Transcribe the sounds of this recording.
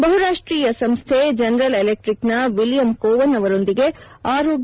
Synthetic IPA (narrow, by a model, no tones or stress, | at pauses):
bɐɦuɾaːʂʈɾiːjɐsɐmst̪ʰed͡ʒɐnɐɾɐlelek̚ʈɾiknɐʋiljɐmkoːʋɐnːɐʋɐɾo̞nd̪iɡe̞ | aːɾoːɡ